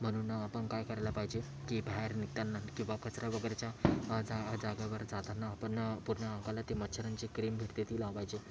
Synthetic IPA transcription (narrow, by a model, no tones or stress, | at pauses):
m̤əɽ̃uːnapəɳkajkəɾajlapaɦid͡ʑe | kiːbʱaɦeɾnik̚t̪anːakĩw̃ʋakət͡sɾaʋəɡəɾat͡ɕjad͡zad͡zaɡaʋəɾd͡zat̪anaːpəɳpuɾɳaãŋkalat̪emət̪ːɕʰəɾant͡ɕekɾiːmbʱiʈt̪et̪ʰiːlapaɦid͡ʑe